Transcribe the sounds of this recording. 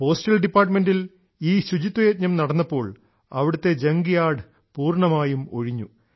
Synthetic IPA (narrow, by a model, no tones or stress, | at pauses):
po̞ːsʈɐlɖipːaːrʈme̞ndil | iːɕud͡ʑit̪ːwɐjeːt̪̚ɲɐmnɐɽɐnːɐpːo̞ːɭ | ɐʋiɽut̪ːe̞d͡ʑeŋɡijaːɽɨ | puːrɳɐmaːjumo̞̰ɻiɲːu